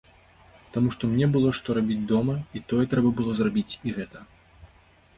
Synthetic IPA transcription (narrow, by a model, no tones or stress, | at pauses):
t̪amuʂt̪ɔmnʲɛbɨlˠɔʂt̪ɔɾabʲid͡zʲd̪ɔmɐit̪ɔjɛt̪ɾɛbɐbɨlˠɔzrabʲit͡sʲiɣɛt̪ɐ